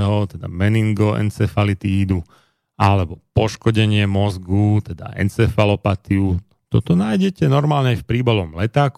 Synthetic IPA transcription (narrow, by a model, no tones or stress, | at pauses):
ɦɔt̪ɛd̪a̰mɛniŋɡɔʔɛ̰nt͡sɛfalit̪iiːd̪u | alɛbɔpɔʃkɔɟɛɲɪɛmɔzɡut̪ɛd̪a̰ʔɛ̰nt͡sɛfalɔpat̪iu | t̪ɔt̪ɔnaːjɟɛcɛnɔɾmaːlɲɛafpɾiːbalɔmlɛt̪aːk